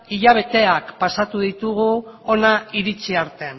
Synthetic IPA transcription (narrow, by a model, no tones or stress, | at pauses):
iʎaβ̞e̞t̪e̞akpasat̪uðit̪uɣuo̞naiɾit͡siaɾt̪e̞n